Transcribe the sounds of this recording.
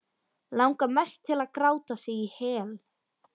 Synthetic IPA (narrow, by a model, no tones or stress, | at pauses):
lawŋkamɛst̪ʰːɪlaðkɾaːwt̪asɪihɛːl